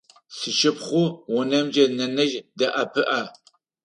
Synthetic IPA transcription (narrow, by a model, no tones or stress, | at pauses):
sɨʃɪpχʷʊwʊnɐmd͡ʒɐnɐnɐʒdɐʔɐpʰɨʔaː